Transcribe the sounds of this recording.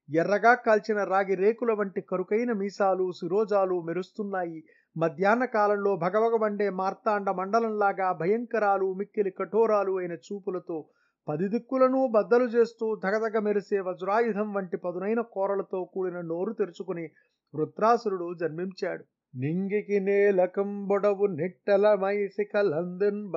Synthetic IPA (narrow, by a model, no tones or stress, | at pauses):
jɛrːɐɡaːkɐlt͡ʃinɐɾaːɡiɾeːkulɐʋɐɳʈikɐɾukɐjnɐmiːsaːlusiɾɔːd͡ʒaːlumeɾust̪unːaːji | mɐd̪ʱjaːnɐkaːlɐmlo̞ːbʱɐɡɐʋɐɡɐbɐɳɖeːmaːɾt̪aːɳɖɐmɐɳɖɐlɐmlaːɡaːbʱɐjɐŋkɐɾaːlumikːilikɐʈʰɔːɾaːluɐjnɐt͡ʃuːpulɐt̪oː | pɐd̪id̪ikːulɐnuːbɐd̪ːɐlut͡ʃe̞ːst̪uːd̪ʱɐɡɐd̪ɐɡɐmeɾiseːʋɐd͡ʒuɾaːjud̪ʱɐmʋɐɳʈipɐd̪unɐjnɐkɔːɾɐlɐt̪o̞ːkuːɽinɐno̞ːɾut̪eɾut͡ʃukuni | ʋɾut̪ɾaːsɐɾuɽud͡ʒɐɾmiɲt͡ʃaːɽu | niŋɡikineːlɐkɐmbɔɽɐʋuniʈːɐlɐmɐjsikɐlɐnd̪ɐn